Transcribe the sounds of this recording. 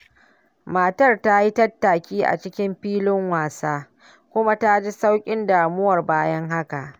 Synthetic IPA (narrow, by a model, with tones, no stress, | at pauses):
maː˨tɐ˦rta˦ji˦tɐ˦tːa˨kʲiː˦ʔa̰˨t͡ʃɪ˦kʲɪ˦mɸiː˦lɪ˦ŋwaː˨saː˦ | kʷʊ˦ma˦ta˦d͡ʒi˦sa˦wkʲʼɪ˦ndaː˨mʊ˦wɐ˨rbaː˦jɐ˦ŋɦa˦ka˨ʔ